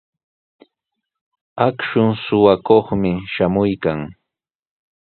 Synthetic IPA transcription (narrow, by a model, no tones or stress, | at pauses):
akʃʊŋsʊwakoχmɪʃamʊjkaŋ